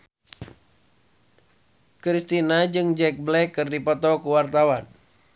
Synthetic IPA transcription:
kɾist̪inad͡ʒɨŋd͡ʒɛk̚blɛkːɨrdipɔt̪ɔkuwart̪awan

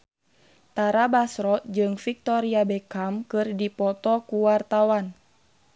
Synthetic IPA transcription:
t̪aɾabasɾɔd͡ʒɨŋfik̚t̪ɔɾiabɛkamkɨrdipɔt̪ɔkuwart̪awan

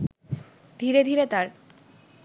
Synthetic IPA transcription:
d̪ʱiɾed̪ʱiɾet̪aɾ

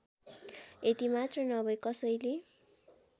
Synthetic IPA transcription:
et̪imat̪rʌnʌbʌjkʌsʌjle

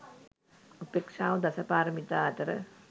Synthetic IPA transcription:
upekʂaːʋɐd̪ɐsɐpaːɾɐmit̪aːt̪əɾə̰

